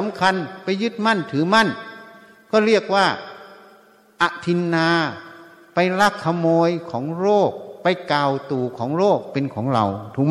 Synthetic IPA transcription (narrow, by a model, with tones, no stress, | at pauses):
a˨˦mkʰa˧npa˧jːɯ˧˥˩t̪̚ma˧˥˨nt̪ʰɯː˨˦ma˧˥˨n | kɔː˧˥˩ɾi˧˥˩ək̚waː˧˥˩ | ʔa˧˩ʔt̪ʰi˧nːaː˧ | pa˧jla˧˥˩kʰːa˧moː˧jkʰɔː˩˦ŋɾoː˥˩k̚pa˧jkaː˨˩wt̪uː˨˩kʰɔː˩˦ŋɾoː˥˩k̚pe˨nkʰɔː˩˦ŋɾa̰˧wt̪ʰu˧k̚